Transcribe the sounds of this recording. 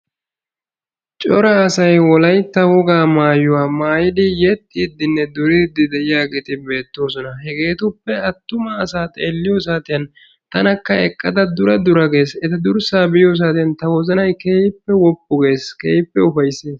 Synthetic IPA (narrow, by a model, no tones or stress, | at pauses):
t͡ʃʼɔɾɐːsɐjwɔlɐjt̪ːɐwɔɡaːmaːjʊwaːmaːjɪd̪ɪjɛt̪ʼːiːd̪ɪnːɛd̪ʊɾid̪ɪd̪ɛʔɪjaːɡe̞ːt̪ɪbe̞ːt̪ːo̞ːsɔnɐɦɛɡe̞ːt̪ʊpːɛɐt̪ːʊmɐːsaːt̪ʼeːlːɪjoːs̬aːt̪ɪjɐn | t̪ɐnɐkːɐɛkʼːɐd̪ɐd̪ʊɾɐd̪ʊɾɐɡe̞ːsɛt̪ɐd̪ʊɾsaːbɪjoːs̬aːt̪ɪjɐnt̪ɐwɔzɐnɐjkeːpːɛwɔpʼːʊɡe̞ːskḛːpːɛʊfɐjsːeːs